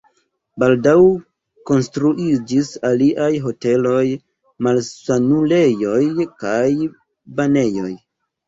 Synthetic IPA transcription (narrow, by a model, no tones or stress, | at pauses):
baldaw | ko̞nstɾuʔid͡ʒisaliʔajɦo̞te̞lo̞j | malsanule̞jo̞jkaj | bane̞jo̞j